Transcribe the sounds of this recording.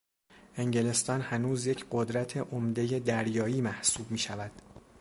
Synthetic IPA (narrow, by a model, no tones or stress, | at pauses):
ʔe̞ŋɟe̞le̞st̪ɒːnhænuːzje̞cʰɢo̞d̪ɾæt̪ʰe̞ʔomd̪e̞je̞d̪æɾjɒːiːmæhsuːb̚miːʃævæd̪̥